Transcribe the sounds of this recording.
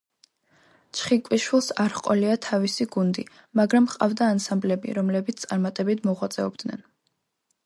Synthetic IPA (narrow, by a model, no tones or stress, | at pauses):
t͡ʃʰχikʼwiʃwilˠsaɾχqʼɔliat̪ʰavisiɡund̪ḭ | maɡɾamqʼa̰vd̪aːnsamblɛbḭɾɔmlɛbit̪st̪sʼaɾmat̪ʼɛbit̪ʰmɔʁwat̪sʼɛɔbd̪̥nɛ̰n